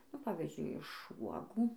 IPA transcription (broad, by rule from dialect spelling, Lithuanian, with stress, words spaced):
nʊ ˈpɑːʋʲɪzʲd͡ʒʲʊɪ ɪʃ ˈʋuɔɡuː